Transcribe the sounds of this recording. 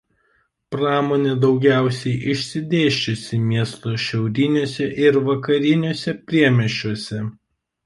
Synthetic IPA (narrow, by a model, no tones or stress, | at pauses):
pɾɑːmoːnʲeːd̪ɒʊɡʲæˑʊsʲɛɪʔɪʃʲsʲɪd̪ʲeːʃʲt͡ʃʲʊsʲɪmʲiɛst̪oːʃʲɛʊɾʲɪnʲuːsʲɛʔɪɾʋɐkɐɾʲɪnʲoːsʲɛpʲɾʲiɛmʲɛʃʲt͡ʃːʲuɔsʲɛ